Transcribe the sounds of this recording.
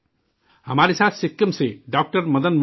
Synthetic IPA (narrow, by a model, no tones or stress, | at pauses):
həmaɾisat̪sikːəmseɖɔk̚ʈəɾməd̪ənm